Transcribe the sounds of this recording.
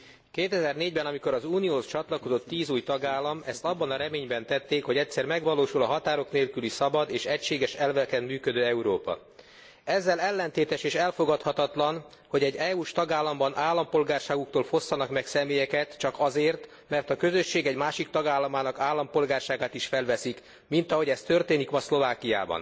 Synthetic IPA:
keːt̪ɛzɛrneːɟbɛnɒmiko̞ɾɒzuːnijoːst͡ʃɒt̪lɒko̞zo̞t̪ːiːzuːjt̪ɒɡaːlːɒmɛst̪ɒbːɒnɒɾɛmeːɲbɛnt̪ɛt̪ːeːkho̞ɟɛcsɛrmɛɡʋɒloːʃulɒɦɒt̪aːɾo̞kneːlkylisɒbɒd̪eːʃɛcʃeːɡɛʃɛlvɛkɛnmyːkød̪øːɛuɾo̰ːpɒ̰ | ɛzːɛlɛlːɛnt̪eːt̪ɛʃeːʃɛlfo̞ɡɒt̪hɒt̪ɒt̪lɒn | ho̞ɟɛɟːɛːuːʃt̪ɒɡaːlːɒmbɒnʔaːlːɒmpo̞lɡaːrʃaːɡukt̪oːlfo̞sːɒnɒkmɛksɛmeːjɛkɛt̪t͡ʃɒkɒzeːrt̪ | mɛrt̪ɒkø̞zø̞ʃːeːɡɛɟmaːʃik̚t̪ɒɡaːlːɒmaːnɒkaːlːɒmpo̞lɡaːrʃaːɡaːt̪iʃfɛlvɛsik | mint̪ɒɦo̞ɟɛst̪ørt̪eːnikmɒslo̞vaːkija̰ːbɒ̰n

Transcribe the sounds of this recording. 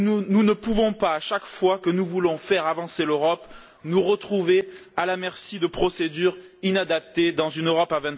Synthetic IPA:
ununəpuvɔ̃paːʃakfwakənuvulɔ̃fɛʁavɑ̃seløʁɔp | nuʁət̪χuvealamɛʁsid̪əpχɔsed̪yʁinad̪ap̚t̪ed̪ɑ̃zynøʁɔpavɛ̃t̪

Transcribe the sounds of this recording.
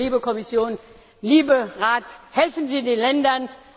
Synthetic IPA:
iːbəkʰɔmɪsjoːn | liːbəʁaːthɛlfn̩ziːdeːnlɛndɐn

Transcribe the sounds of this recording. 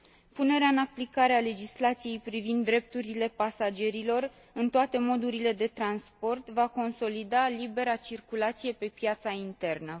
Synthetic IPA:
pune̞ɾeaɨnaplikaɾeale̞d͡ʒislat̪sije̞jpɾivind̪ːɾe̞p̚t̪uɾile̞pasad͡ʒe̞ɾilo̞r | ɨnt̪oat̪e̞mo̞d̪uɾile̞d̪e̞t̪ɾanspo̞rt̪vako̞nso̞lid̪alibe̞ɾat͡ʃirkulat̪sije̞pe̞pjat̪saint̪e̞rnə

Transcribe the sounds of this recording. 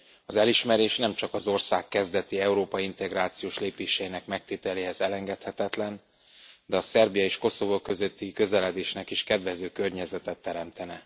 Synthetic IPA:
ɒzɛliʃmɛɾeːʃnɛmt͡ʃɒkɒzo̞rsaːkːɛzd̪ɛt̪iɛuɾoːpɒiint̪ɛɡraːt̪sijoːʃleːpeːʃɛinɛkmɛk̚t̪et̪ɛleːhɛzɛlɛŋɡɛt̪hɛt̪ɛt̪lɛn | d̪ɛɒsɛrbijɒeːʃko̞so̞vokø̞zø̞t̪ːikø̞zɛlɛd̪eːʃnɛkiʃkɛd̪vɛzøːkø̞rɲɛzɛt̪ɛt̪ːɛɾɛmt̪ɛnɛ

